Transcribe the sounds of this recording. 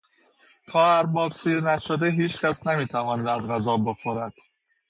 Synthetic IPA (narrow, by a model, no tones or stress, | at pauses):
t̪ʰɒːæɾbɒːbsiːɾnæʃod̪eɦiːt͡ʃkæsnæmiːt̪ʰævɒːnæd̪æzɣæzɒːbe̞xoɾæd̪̥